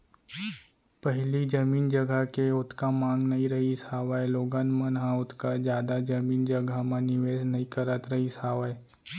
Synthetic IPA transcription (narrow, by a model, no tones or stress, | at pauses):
pəɦlid͡ʒəmiːnd͡ʒɐɡəkeʊt̪ʰkamãːŋɡnɐɦĩɾɐɦisaːʋaeloːɡanmənɦãʊt̪ʰkad͡ʒjaːd̪ad͡ʒɐmiːnd͡ʒəɡʱəmãnɪʋeːsnɐɦĩkəɾət̪ɾɐɦisaːʋae